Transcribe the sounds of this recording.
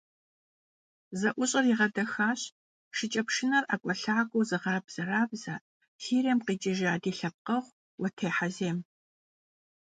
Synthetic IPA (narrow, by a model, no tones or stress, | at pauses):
zɐʔʷʊɕʼɐriːʁɐdɐxaːɕ | ʃɪt͡ʃʼɐpʂɪnɐrʔakʷʼɔɬaːkʷʼowzɨʁɐbz̥ɐraːbzaː | tʰiːreːmqiːt͡ʃʼɪʒaːdiːɬɐp̚qɐʁʷ | wɔtʰeːħazeːm